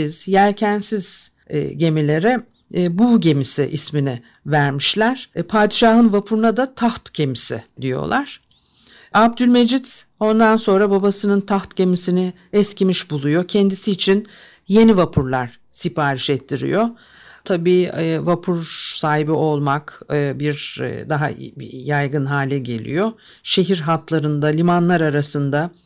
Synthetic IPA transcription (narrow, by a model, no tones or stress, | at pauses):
iz̥jælʲcʰænsiz̥̰ | ɟe̞milʲe̞ɾɛ | buɟe̞misiʔisminɪ | væɾmiʃlʲæɾ̥pʰaːd̪iʃaːɦɯnvapʰuɾunad̪at̪ʰaft̪ɟe̞misḭd̪ijo̰lˠaɾ̥ | ab̚d̪ylʲme̞d͡ʒit̪ | o̞nd̪anso̞nɾababasɯnɯnt̪ʰaft̪ɟe̞misinɪ | ɛscimiʃbulˠujo̞cʰɛnd̪isiːt͡ʃʰin | je̞nivapʰuɾlˠaɾ̥ | sipaːɾiʃɛt̪ʰːiɾḭjo̞ | t̪ʰabiːvapʰuɾsaːɦibio̞lˠmakɯːbiɾ̰d̪aɦa̰jajɡɯnɦaːlʲɛɟe̞lʲḭjo̞ | ʃe̞ɦiɾɦat̪lˠaɾɯnd̪alʲimanlˠaɾaɾasɯnd̪a